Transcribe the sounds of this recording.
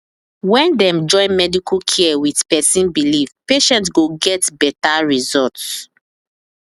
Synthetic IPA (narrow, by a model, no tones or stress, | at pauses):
wɛ̃ndɛ̃md͡ʒɔ̃ɪ̃nmɛdikukʰiɛwidpɛsĩnbilivpeʃɛ̃nts̬ɡoɡɛtbɛtaɹizɔts